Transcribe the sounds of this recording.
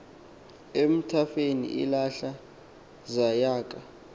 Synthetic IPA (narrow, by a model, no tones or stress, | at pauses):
em̩tʰafenḭʔḭlaɬa | zajaːk̬ʼa